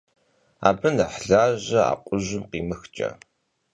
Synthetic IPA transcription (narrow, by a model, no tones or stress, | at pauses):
a̰ːbɨnaħɮaːʑɐa̰ːqʷʼʊʑɪmqiːmɨxt͡ʃʼɐ̰